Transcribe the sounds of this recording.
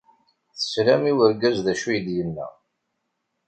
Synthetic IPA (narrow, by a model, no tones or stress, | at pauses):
θə̥sɾæmiwəɾɡæzðæʃujd̪jənːæ̰